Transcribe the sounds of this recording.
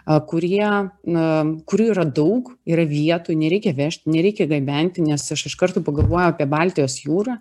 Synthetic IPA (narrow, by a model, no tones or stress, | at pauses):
kʊɾʲiɛ | kʊɾʲuːiɾɐd̪ɐʊkiːɾɐʋʲiɛt̪oːjnʲɛɾʲɛɪkʲɛʋʲæʃʲt̪ʲnʲɛɾʲɛɪkʲɛɡɐbʲɛnʲt̪ʲɪnʲɛsɐʃɪʃkɐrt̪oːpɐɡɐlˠʋoɔjɛʊɑːpʲiɛbɑːlʲt̪ʲɪjoːsjuːɾɑː